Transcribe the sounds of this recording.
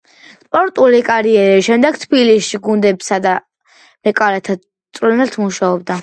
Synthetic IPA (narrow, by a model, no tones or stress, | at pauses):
spʼɔɾt̪ʼulikʼaɾiɛɾiʃɛmd̪ɛɡ̥̚t̪ʰbilisʃiɡund̪ɛbsad̪a | mɛkʼalɛt̪ʰa | t̪sʼvlɛnɛlt̪ʰmuʃaɔbd̪a